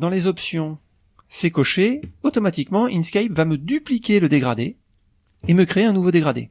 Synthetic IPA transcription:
d̪ɑ̃lezɔpsjɔ̃ | sekɔʃeot̪ɔmat̪ikmɑ̃ynskʲajpvaməd̪yplikʲeləd̪eɡʁad̪e | eməkχeeɛ̃nuvod̪eɡʁad̪ḛ

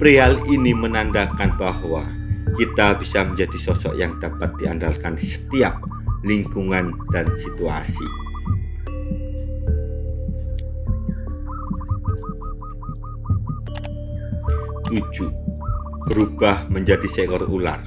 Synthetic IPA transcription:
pɾealinimənandakanbahwa | kit̪abisaməɲd͡ʒadisɔsɔ̰ʔjaŋd̥apat̪̚diandalkansə̥t̪iap̚ | liŋkuŋan | d̥ansit̪ua̰sḭ | nud͡ʒuʔ | b̥əɾub̥ahməɲd͡ʒadisɛkɔrula̰r

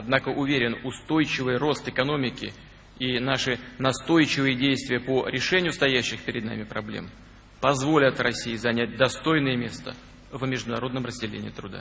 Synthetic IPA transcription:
ɐd̪nakəʔʊvʲeɾʲɪnʊst̪o̞jt͡ɕɪvɨjro̞st̪ɨkɐno̞mʲɪkʲɪ̰ | inaʂɨnɐst̪o̞jt͡ɕɪvɨjədʲejst̪vʲɪjəpoɾʲɪʂɛnʲɪjʊst̪ɐjæɕːɪxpʲɪɾʲɪd̪na̰mʲɪpɾɐblʲḛm | pɐzvo̞lʲət̪rɐsʲːijɪzɐnʲæt̚ʲd̪ɐst̪o̞jnəjəmʲe̞st̪ə̰ | vmʲɪʐd̪ʊnɐɾo̞d̪nəmrəzʲdʲɪlʲḛnʲɪ̰ːɪt̪ɾʊd̪a̰

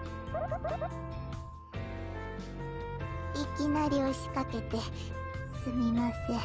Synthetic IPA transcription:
ikʲinaɾʲio̞ɕi̥kake̞t̪e̞ | sɨmʲimase

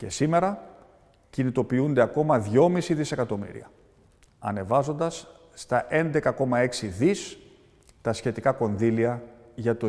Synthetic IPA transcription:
ce̞sime̞ɾɐ | cinit̪o̞piund̪e̞ɐko̞mɐðʝo̞misiðise̞kɐt̪o̞mḭɾḭɐ | ɐ̰ne̞vɐzo̞nd̪ɐsː | t̪ɐʔe̞nd̪e̞kɐko̞mɐe̞ksiðis | t̪ɐsçe̞t̪ikɐko̞nðiliɐ | ʝɐt̪o

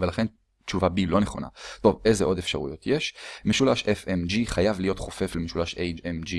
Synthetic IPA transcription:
velaχe̞n | t͡ʃuvabilo̞neχo̞̰na̰t̪o̞ve̞jzeʔo̞de̞fʃaʁṵjo̞t̪jeʃmeʃulaʃʔefemd͡ʒiχajavlijo̞t̪χofe̞flemeʃulaʃejd͡ʒemd͡ʒi

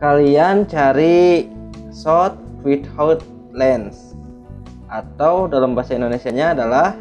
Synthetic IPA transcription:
kaliant͡ʃaɾi | sɔt̪̚wit̪hɔt̪̚ | lɛns | ʔat̪awdalambasaindonesiaɲaːdalah

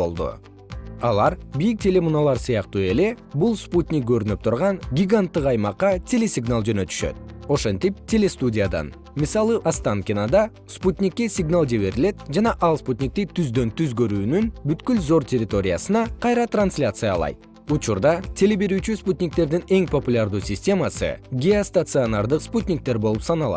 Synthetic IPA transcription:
o̞̰lˠd̪ṵ | ɑ̰lˠɑɾbijik̚tʲe̞lʲe̞munalˠɑɾsɯjɑqt̪ue̞le̞ | bulˠsput̪ʲnʲɪk̚ɡø̞ɾynyp̚t̪ʰuɾʁɑŋɡʲiɡant̪ːɯqɑjmɑqːɑt̪ʲe̞lʲe̞sʲɪɡnalˠd͡ʒø̞nø̞t̪y̥ʃø̞̰t̪̚o̞ʃe̞nt̪ip̚tʲʰe̞lʲe̞st̪udʲɪjad̪ɑ̰n | misɑlˠɯʔast̪aŋkʲɪnad̪ɑ | sput̪ʲnʲikːe̞sʲɪɡnalˠd͡ʒe̞βe̞ɾile̞t̪̚d͡ʒɑnɑʔɑlˠsput̪ʲnʲik̚t̪it̪ʰyzd̪ø̞nt̪yzɡøɾyːnynbyt̪kylzo̞rtʲerʲɪt̪o̞ɾʲɪjasɯnɑqʰɑjɾɑt̪ransʲlʲat̪sɨja̰lˠɑ̰jt̪̚ | ut͡ʃuɾd̪ɑt̪ʲʰe̞le̞be̞ɾyːt͡ʃysput̪ʲnʲɪk̚t̪e̞ɾd̪ine̞ŋpo̞pulʲaɾd̪uːsʲɪsʲtʲe̞masɯ̰ɡʲeost̪at̪sɨonaɾd̪ɯqsputʲnʲɪk̚t̪e̞ɾbo̞lˠupsɑnɑlˠɑ̰t̪

